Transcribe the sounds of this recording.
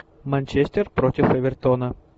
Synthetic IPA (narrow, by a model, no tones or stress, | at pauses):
mɐnʲt͡ɕesʲt̪ʲɪrpɾotʲɪfəvʲɪrt̪onə